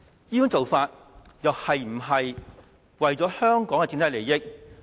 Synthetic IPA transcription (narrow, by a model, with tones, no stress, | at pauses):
jiː˥jŋt͡so˨wfaː˧t̚ | jɐ˨whɐ˨jm̩˨˩ɦɐ˨j | wɐ˨jt͡sɔː˨˥hœː˥ŋkɔː˨˥ŋkɛ˧t͡si˧˥nt̪ʰɐ˥jle˨˩jɪ˥k̚